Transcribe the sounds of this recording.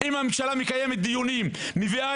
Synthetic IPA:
imamemʃalamikajemet̪̚d̪ijunimː | ivia

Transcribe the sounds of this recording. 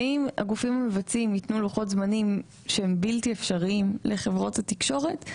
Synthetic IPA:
ima̰ɡufimhamevat͡simitnuluχotzmanim | ʃehembiltiefʃaʁiimlʔeχe̞vʁo̞thatikʃo̞ʁe̞t

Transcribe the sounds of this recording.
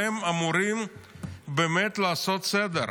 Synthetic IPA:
emamuɾimbeme̞t̪laːso̞t̪sed̪e

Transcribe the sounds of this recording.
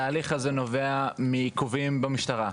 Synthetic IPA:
aːliχazeno̞veamikuvimbemiʃtaʁa

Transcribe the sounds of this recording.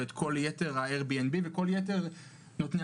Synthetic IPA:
et̪kʰo̞ljete̞ʁhaeʁbienbiveko̞ljete̞ʁ | not̪ne

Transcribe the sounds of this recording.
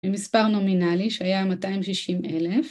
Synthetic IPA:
bemispaʁnominaliʃeajamataimʃiʃimʔelef

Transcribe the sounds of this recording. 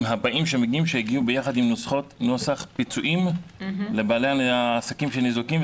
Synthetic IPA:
mɦabaʔimʃe̞meɡiimʃeheɡiubejaχad̪imnosχo̞t̪nosaχpit͡suʔimlebaːlejaaːsakimʃenizokim

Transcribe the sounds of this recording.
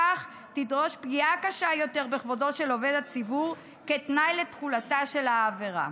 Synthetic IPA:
aχ | tidʁo̞ʃpɡiakaʃajo̞te̞ʁbeχvodo̞ʃe̞lo̞ve̞dat͡sibuʁ | ketnajle̞t̪χulataʃe̞laːve̞ʁa̰

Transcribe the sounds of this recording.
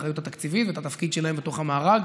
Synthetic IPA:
ajut̪hat̪akt͡sivit̪vet̪at̪afkid̪ʃelahembet̪o̞χhamaːʁaɡ

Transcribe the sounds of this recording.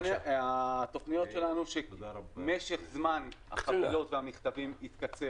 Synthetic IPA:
at̪o̞χnijo̞tʃelanuʃemeʃeχzmanha̰χavilo̞t̪veamiχt̪avimit̪kat͡se

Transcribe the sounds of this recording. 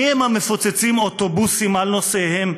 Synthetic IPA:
emhame̞fot͡set͡simot̪obusimalno̞sehem

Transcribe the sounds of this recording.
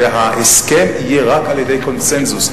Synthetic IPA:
eɦaʔeskɛmijeʁakaljedejkɔnsɛnzus

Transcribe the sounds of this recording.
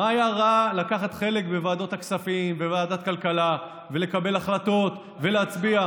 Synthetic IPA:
maːjaʁalakaχat̪χe̞le̞kbevaːd̪o̞t̪aksafimbevaːdat̪̚kalkala | vele̞kabe̞laχlato̞t̪ | ve̞leat͡sbia

